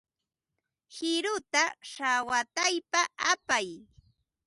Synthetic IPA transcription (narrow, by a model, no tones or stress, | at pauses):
hɪɾʊt̪aʃawat̪ajpaapaj